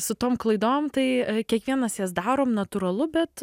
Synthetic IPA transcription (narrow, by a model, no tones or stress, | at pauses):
sʊt̪oːmklˠɐɪd̪oːmt̪ɐɪkʲiɛkʋʲiɛnɐsjɛs̬d̪ɑːɾoːmnɐt̪uɾɐlˠʊbʲɛt̪